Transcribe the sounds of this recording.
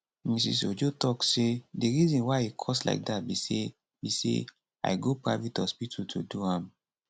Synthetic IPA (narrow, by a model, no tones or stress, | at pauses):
mĩs̬ḭs̬od͡ʒotɔksedeɾizĩnwaikʰɔsla̰ɪk̚dat̚bise | bisḛ | a̰ɪɡopɾavitɔspitʰutʰoduhãm